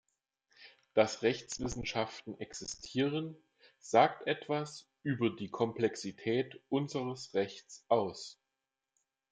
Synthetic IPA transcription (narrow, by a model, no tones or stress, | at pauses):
d̥asʁɛçt͡sv̥ɪsn̩ʃaftn̩ʔɛksɪstʰiːʁən | z̥aːktʔɛtv̥as | ʔyːbɐdiːkʰɔmplɛksitʰɛːtʔʊnzəʁəsʁɛçt͡sʔaʊs